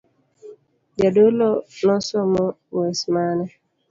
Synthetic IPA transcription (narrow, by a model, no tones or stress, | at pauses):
d͡ʒadolonɔsɔmɔ | wɛsmanɛ